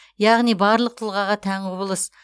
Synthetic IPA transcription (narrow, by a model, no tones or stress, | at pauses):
jɑʁnijbɑɾlˠəq̚t̪ʰəlˠʁɑʁɑt̪ʰæŋʰʊbəlˠəs